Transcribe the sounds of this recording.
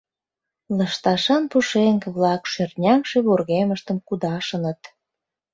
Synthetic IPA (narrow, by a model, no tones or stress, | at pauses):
ləʃt̪ɑʃɑnpuʃeŋkβlɑkʃørt̪nʲɑŋʃeβorɣeməʃt̪ə̆mkud̪ɑʃə̆nət̪